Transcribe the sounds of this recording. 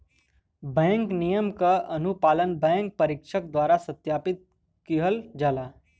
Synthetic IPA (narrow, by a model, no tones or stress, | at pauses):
bɛ̃ːŋknijəmkaʔɐnupaːlənbɛ̃ːŋk̚pɐɾɪkʃəkd̪waːɾasɐt̪jaːpɪt̪̚ | kiɦəld͡ʒaːlaː